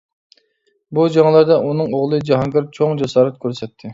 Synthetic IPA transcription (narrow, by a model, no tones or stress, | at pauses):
bud͡ʒɑŋlˠɑɾd̪ɑʔunɨŋoʁlˠɨd͡ʒɑɦɑnɡɑɾt͡ʃʰoŋd͡ʒɑsɑːɾɛt̪̚kʲʰøɾsɛt̪ʰːɪ